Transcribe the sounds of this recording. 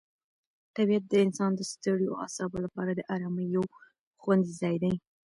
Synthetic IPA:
t̪abijat̪̚d̪əɪnsɑnd̪əst̪əɽjoa̰sɑbolapɑɾad̪əʔaɾɑməjaw | xwanzizɑjd̪aj

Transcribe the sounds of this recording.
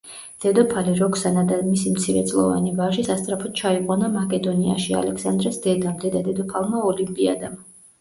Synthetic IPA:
d̪̥ɛd̪ɔpʰaliɾɔkʰsanad̪amisimt̪sʰiɾɛ̰t̪sʼlˠɔ̰va̰nivaʒisast̪sʼɾapʰɔt̪̚t͡ʃʰaiqʼwanamakʼɛd̪ɔnia̰ʃia̰lɛksand̪ɾɛsd̪ɛd̪amd̪ɛd̪ad̪ɛd̪ɔpʰalˠmaɔlimpʼia̰d̪am

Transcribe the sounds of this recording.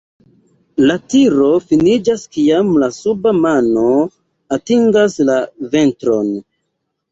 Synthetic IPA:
latiɾo̞finid͡ʒaskiamlasubamano̞ | atiŋɡaslave̞ntɾo̞n

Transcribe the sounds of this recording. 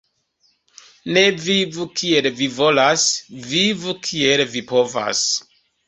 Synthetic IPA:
ne̞vivukʰie̞lvivo̞lasvivukʰie̞lvipo̞va̰s

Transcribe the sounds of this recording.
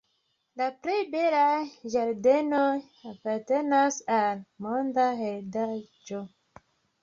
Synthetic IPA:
lapɾe̞jbelad͡ʒaɾde̞no | apaɾte̞nasalmondaɦeldad͡ʒo

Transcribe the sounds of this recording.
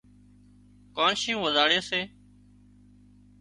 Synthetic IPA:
koːnʃɪjũːʋəzaːɽeːseː

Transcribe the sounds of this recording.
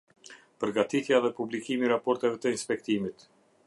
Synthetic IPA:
pəɾɡat̪it̪jaðɛpublikimiɾapɔɾt̪ɛvɛt̪əinspɛk̚t̪imit̪

